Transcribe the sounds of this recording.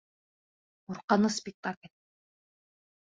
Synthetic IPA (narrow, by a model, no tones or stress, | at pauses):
uɾqɑnɯspʲɪk̚t̪akəlʲ